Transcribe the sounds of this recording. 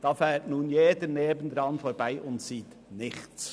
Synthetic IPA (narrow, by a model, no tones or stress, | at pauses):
d̥ɑːfɛːtnuːnjeːdəneːbən̩d̪ɾɑnfoːɾbaɪʔʊntsiːt̪ | nɪχt͡s